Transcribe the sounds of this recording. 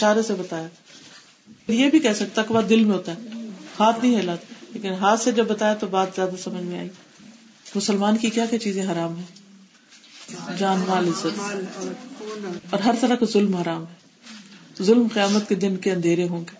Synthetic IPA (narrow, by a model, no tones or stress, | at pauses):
ʃaːɾesebɐt̪aːja | ɾjebʱikɛsɐk̚t̪akɪʋad̪ɪlmẽɦoːt̪aɛhaːt̪ʰnɐ̃ĩɦɛːlaːt̪leːkɪnɦaːt̪sed͡ʒɐbːɐt̪aːjat̪obaːt̪zjaːd̪asɐməd͡ʒʱmẽa̰ːiː | mʊsəlmaːnkikjaːkjat͡ʃiːzẽɦɐɾaːmɦɛ̃ː | d͡ʒaːnmaːlɪsət̪ | ɔːɾɦɐɾt̪ɐɾakazʊlmɦɐɾaːmɦɛ̃ː | zʊlmqɪjaːmət̪̚ked̪ɪnkeɐ̃nd̪ʱeːɾeɦõːŋɡeː